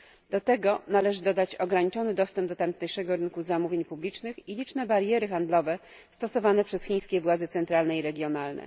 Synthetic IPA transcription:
d̪̥ɔt̪ɛɡɔnalɛʐɘd̪ɔd̪at͡ɕɔɡɾaɲit͡ʂɔnɘd̪ɔst̪ɛmb̚d̪ɔt̪amt̪ɲajʂɛɡɔɾɘnkuzamuvʲjeɲpublʲit͡ʂnɘxilʲit͡ʂnɛbaɾjɛɾɘxand̪lɔvɛ | st̪ɔsɔvanɛpʂɛsxʲĩj̃skʲɛvwad̪zɛt̪sɛnt̪ɾalnɛiɾɛɡʲjɔnalnɛ̰

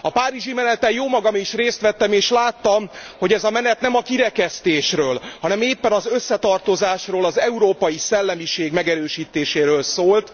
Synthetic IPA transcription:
ɒpaːɾiʒimɛnɛt̪ɛjoːmɒɡɒmiʃreːst̪ʋɛt̪ːɛmeːʃlaːt̪ːɒmho̞ɟɛzɒmɛnɛt̪nɛmɒkiɾɛkɛst̪eːʃrøːlhɒnɛmeːpːɛnɒzø̞sːɛt̪ɒrt̪o̞zaːʃroːlɒzɛuɾoːpɒjisɛlːɛmiʃeːɡmɛɡɛɾøːʃiːt̪eːʃeːɾøːlsoːlt̪

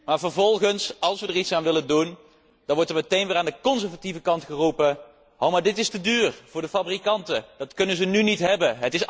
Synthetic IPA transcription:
maːɹvəɹvɔlˠχənsɑlˠsʋədəɹitsaːnʋɪləndun | d̥ɑnʋɔɹtəɹmətejnʋɪːɹaːndəkɔnzɛɹvativəkɑntχərupə | owmaːɹdɪtɪstədyːrv̥ʊːɹdəfabrikɑntəd̥ɑtkɵnənzənynitɦɛbəɦətɪs

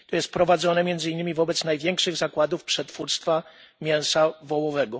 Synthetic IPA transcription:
t̪ɔjɛst̪̚pɾɔvad̪zɔnɛmʲjɛnd̪zɘinːɘmʲivɔbɛt̪snajvʲjɛŋkʂɘɣzakwad̪ufpʂɛt̪fuɾst̪fa | mʲjɛw̃savɔwɔvɛɡɔ

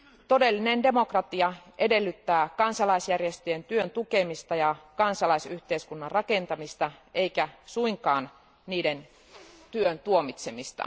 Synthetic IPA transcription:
t̪o̞de̞lːinende̞mo̞krɑt̪iɑʔe̞de̞lːyt̪ːæːkɑnsɑlɑisjærjest̪øjent̪yønt̪ukemist̪ɑjɑkɑnsɑlɑisyht̪eiskunːɑrrɑke̞nt̪ɑmist̪ɑe̞ikæsuiŋkɑːn | niːden | t̪yønt̪uomit̪semist̪ɑ̰

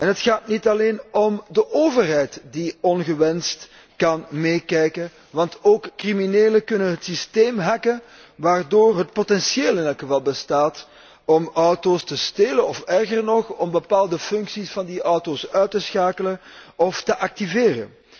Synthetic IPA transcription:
ɛnɦətxaːtnitɑleːnɔmdəʔoːvərɦɛjtdiɔnɣəʋɛnst | kɑnmeːkɛjkən | ʋɑntoːkːrimineːləkɵnənɦətsisteːmɦɛkən | ʋaːrdoːrɦət̚potɛnsjeːlˠɪnɛlˠkxəvɑlˠbəstaːt | ɔmɔwtostəsteːlənɔfɛrɣərnɔxɔmbəpaːlˠdəfʏŋksisfɑndiʔɔwtosœɥtəsxaːkələn | ʔɔftəʔɑk̚tiveːrə̰n

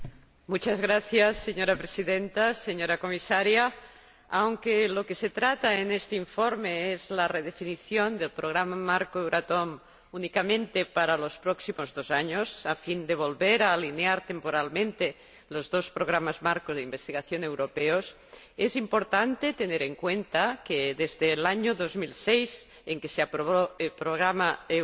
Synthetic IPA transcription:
mut͡ʃazɣɾaθjasːeɲoɾapɾesiðent̪aseɲoɾakomisaɾjaː | wŋkelokeset̪ɾat̪aenest̪eiɱfoɾmeezlareð̞efiniθjond̪elpɾoɣ̞ɾamamaɾkoewɾat̪om | unikamẽnt̪epaɾalospɾɔksimozðozaɲosafind̪eβ̞olβeɾaːlineaɾt̪empoɾalmẽnt̪e | lozðospɾoɣ̞ɾamazmaɾkozðeimbest̪iɣaθjonewɾopeos | ezimpoɾt̪ant̪et̪eneɾeŋkwent̪akeðezðelaɲoðozmilsejz | eŋkeseapɾoβoelpɾoɣɾamae

